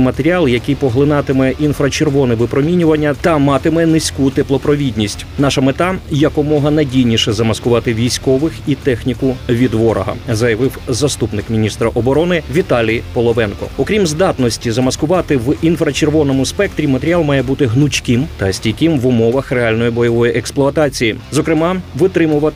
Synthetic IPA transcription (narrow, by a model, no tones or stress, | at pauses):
mɐt̪eɾʲiɑlˠjɐkɪjpɔɦlˠɪnɑt̪ɪmɛʔinfɾɐt͡ʃerʋɔnɛʋɪpɾɔmʲinʲʊʋɐnʲːɐt̪ɐmɑt̪ɪmɛnɪsʲkut̪ɪplˠɔpɾɔʋʲidʲnʲisʲtʲnɑʃɐmet̪ɑjɐkɔmɔɦɐnɐjdʲijnʲiʃɛzɐmɐskʊʋɑt̪ɪʋʲijsʲkɔʋɪxit̪ɛxnʲikʊʋʲid̪ʋɔɾɔ̰ɦɐ̰zɐjɐʋɪwzɐst̪upnɪkmʲinʲist̪ɾɐʔɔbɔɾɔnɪʋʲit̪ɑlʲijpɔlˠɔʋɛnkɔ̰ɔkɾʲimzd̪ɑt̪nɔsʲtʲizɐmɐskʊʋɑt̪ɪʋinfɾɐt͡ʃerʋɔnɔmʊspɛkt̪ɾʲimɐt̪eɾʲɪɑlˠmɑjɛbut̪ɪɦnʊt͡ʃʲkɪmt̪ɐsʲtʲijkɪmʋʊmɔʋɐxreɑlʲnɔjibɔjɔʋɔjiʔɛksplˠʊɐt̪ɑt͡sʲijizɔkɾɪmɑʋɪt̪ɾɪmʊʋɐ